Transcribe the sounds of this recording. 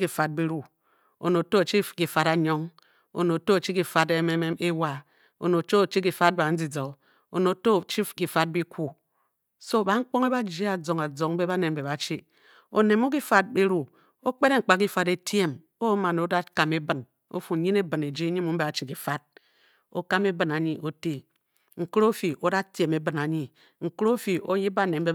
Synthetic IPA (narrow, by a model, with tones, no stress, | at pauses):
ki˨fa˨t̚bi˦ɾu˦ | o̰˨no˨to˦a˨t͡ʃi˦ki˨fa˨ɾa˨ɲo˦ŋ | o̰˨no˨to˦a˨t͡ʃi˦ki˨fa˨de˦me˦me˦e˦wa˦ | o̰˨no˨˦t͡ʃo˦o˨t͡ʃi˦ki˨fa˦t̚ba˨n̩˦d͡zi˨d͡zo˨ | o̰˨no˨to˦˨t͡ʃi˦ki˨fa˦t̚bi˦ku˦ | so˦˨ba˨ŋ̩˦k͡po˦ŋe˦ba˦d͡ʒe˦a˨d͡zo˨ŋa˨d͡zo˨ŋ˦be˦ba˦ne˨m˨be˨ba˨t͡ʃi˦ | o̰˨ne˨mo˦ki˦fa˦t̚be˦ɾu˨ | o˦k͡pe˦ɾe˦ŋ̩˨k͡pa˨k̬i˦fa˨ɾe˦tje˦m | o˦ma˨no˨˦da˦ka˨me˦bɨ˨n | o̰˦fu˨˦ɲi˦ne˦bɨ˨ne˨d͡ʒi˦ɲi˦mu˨m̩˦be˨a˨t͡ʃi˦ki˨fa˦t̚ | o̰˦ka˦me˦bɨ˨na˨ɲi˦ʔo˦te˦ | ŋ̩˨kɨ˦ɾo˦fi˨ʔo˦da˦tje˨me˦bɨ˨na˨ɲi˨ | ŋ̩˨kɨ˦ɾo˦fi˨o˦ji˦ba˦˨ne˨m̩˦be˦